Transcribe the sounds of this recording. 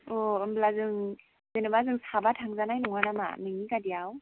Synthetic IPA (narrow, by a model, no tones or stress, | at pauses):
ɔɯmblazɯŋ | zenɯbazɯŋsabatʰaŋzanajnɔŋanama̰mɯŋikadijaw